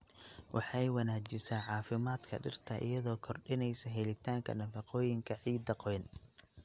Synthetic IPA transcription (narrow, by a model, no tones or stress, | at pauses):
wʔɑ̰ħɑjwɑnaːd͡ʒɪsaːʕɑːfɪmaːd̪kʰɐ̰ɖɪ̰rt̪ʰɐʔɪ̰jɐðɔːkʰɔrɖɪnɛjsɐɦɛlɪt̪ʰaːŋkʰɐ̰nɐfɑqɔːjɪŋkʰɐʕiːd̪ɐqɔjn